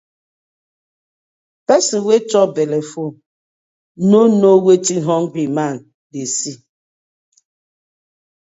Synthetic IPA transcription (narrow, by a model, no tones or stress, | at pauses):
pɛsiwet͡ʃɔbɛlɛfo | nonowetiɦɔŋɡɾiman | desi